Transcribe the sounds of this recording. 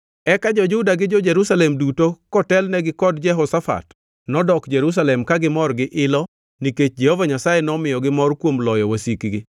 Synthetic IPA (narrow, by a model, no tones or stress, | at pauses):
ɛkad͡ʒɔd͡ʒʊdaɡɪd͡ʒɔd͡ʒɛɾusalɛmdutokɔtɛlnɛɡɪkɔdd͡ʒɛɦɔsafa̰t | nɔdɔkd͡ʒɛɾus̬alɛmkaɡɪmɔrɡɪʔɪlɔ | niket͡ʃd͡ʒɛhovaɲasajɛnɔmɪjɔɡɪmɔrkwomlɔjɔwasikɡɪ